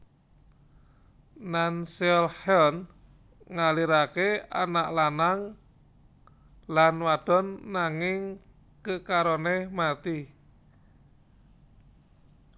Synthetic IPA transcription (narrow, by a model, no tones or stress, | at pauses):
nansɔlhɛln | ŋaliɾakeanaʔlanaŋ | lanwaɖ̥ɔ̤nːaŋɪŋ | kəkaɾonemat̪i